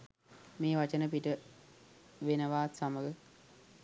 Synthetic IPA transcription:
meːʋat͡ʃənəpiʈə | ʋenəʋaːt̪saməɡə

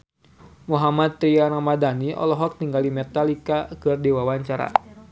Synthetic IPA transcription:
muɦamat̪̚ːɾianamadaniʔɔ̰lɔɦɔk̚t̪iŋɡalimɛt̪alikakɨrdiwawaɲt͡ʃaɾa̰

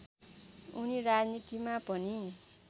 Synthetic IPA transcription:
uniɾad͡znit̪imapʌni

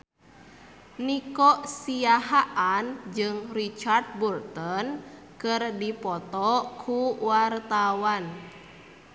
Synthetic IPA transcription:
nikɔʔsiaɦaʔand͡ʒɨŋrit͡ʃard̪̚bult̪ɔn | kɨrdipɔt̪ɔkʰuwart̪awan

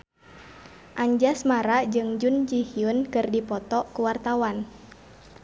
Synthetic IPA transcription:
ʔaɲd͡ʒasmaɾad͡ʒɨŋd͡ʒund͡ʒihiunkɨrdipɔt̪ɔkuwart̪awan

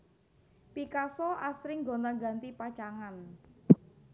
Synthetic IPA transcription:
pikasɔʔasɾɪŋɡɔ̤nt̪aŋɡa̤nt̪ipḁt͡ʃaŋan

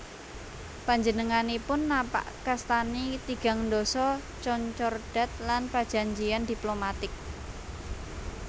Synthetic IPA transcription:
paɲd͡ʒənəŋanipʊnːapa̰ʔkast̪anit̪iɡ̥a̤ŋndosɔ | t͡ʃɔɲt͡ʃɔrɖ̥a̤t̪̚lanpad̥d͡ʒ̥a̤ɲd͡ʒijand̪iplomat̪ɪk̚

